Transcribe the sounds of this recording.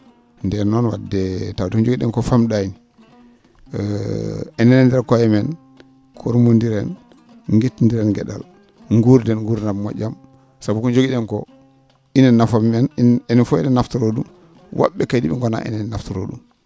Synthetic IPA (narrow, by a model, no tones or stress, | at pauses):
ndɛnɔnwa̰dɛtawdkɔnd͡ʒoɡiɗɛnkɔfamɗajini | ɛnɛnɛndɛɾkɔjɛmɛn | kʰoɾmundiɾɛn | ŋɡitndiɾɛnɡɛ̰ɗa̰l | ŋɡuɾdɛnŋɡuɾnabmɔ̰d͡ʒam | sabukuɲd͡ʒoɡiɗɛnkɔ̰ | inɛnnːafamɛnɛnɛfɔḭnɛnːaftuɾoɗum | wʔa̰ɓːɛkajdibɛ̰ŋɡɔna̰ʔḭnɛnːaftuɾo̰ɗṵm